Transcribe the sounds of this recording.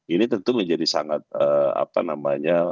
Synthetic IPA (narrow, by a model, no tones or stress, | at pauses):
init̪ənt̪uməɲd͡ʒadisaŋat̪̚əa̰pa̰namaɲa